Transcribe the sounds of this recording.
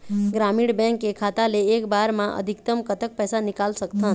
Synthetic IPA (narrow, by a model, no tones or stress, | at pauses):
ɡɾamiɽbɛ̃ŋkekʰat̪aleːkbaɾmãʔə̰d̪ʱikt̪əmkət̪ək̚pɛsanikalsəkt̪a